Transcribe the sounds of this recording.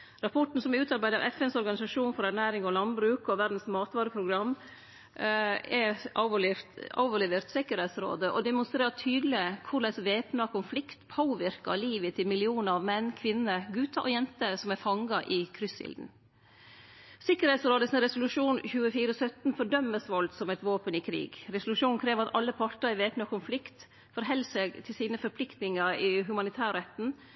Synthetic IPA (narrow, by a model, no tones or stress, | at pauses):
ɾɑpʰɔʈn̩sɔmɛʉːt̪ɑɾbæɪd̪əɾɑ̰ʔɛfɛnsɔɾɡɑnɪsɑʂuːnfɔɾæɾnæːɾɪŋɔlɑnbɾʉːkɔʋæɾd̪n̩smɑːt̪ʋɑːɾəpʰɾʊɡɾɑmː | ɛɑ | ɑ̰ːʋɔlɛʋəɾt̪sɪkːəɾhɛɪt̪sɾo̰ːd̪əʔɔ̰d̪ɛmʊnst̪ɾeːɾʈ̪ʰyːd̪lɪkʰʊɖɛsʋeːpnɑkʰʊnflɪkt̪pʰoːʋɪɾkɑ̰liːʋət̪ʰɪlmɪlɪuːnəɾɑʋmɛnːkʰʋɪnːəɾɡʉt̪ɑʔɔjɛnt̪əsɔmæfɑŋɡɑʔɪkʰɾʏsɪ̰ld̪n̩ | sɪkəɾhɛɪt̪sɾoːd̪əsɪnɾɛsʊlʉʂuːnçʉːəfiːɾəsœt̪nfɔɖœmːəsʋɔlt̪sɔmɛt̪ʋoːpənɪkʰɾḭːɡɾɛsʊlʉʂuːnnkʰɾeːʋɾɑt̪ɑlːəpʰɑʈəɾɪʋeːpnɑkʊnflɪkt̪ | fɔɾɦɛlːseːɡt̪ʰɪlsiːnəfɔɾpʰlɪkt̪nɪŋɑɾɪɦʉmɑnɪt̪ʰæːɾɾɛt̪n̩